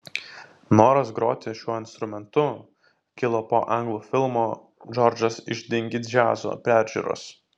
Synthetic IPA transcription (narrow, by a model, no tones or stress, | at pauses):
noːɾɐsɡɾoːt̪ʲeʃʲuɔɪnst̪ɾʊmʲɛnt̪ʊ | kʲɪlˠoːpoːʔɐŋɡlˠuːfʲɪlˠmoː | d͡ʒɔɾʲd͡ʒɐsɪʒʲd̪ʲɪŋʲɡʲɪd͡ʒʲæ̰ːzo̰ːpʲæːˑɾʲʒʲṵːɾo̰s